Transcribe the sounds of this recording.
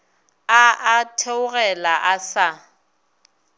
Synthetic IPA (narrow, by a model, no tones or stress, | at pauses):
aatʰeʊɣɛlaʔasa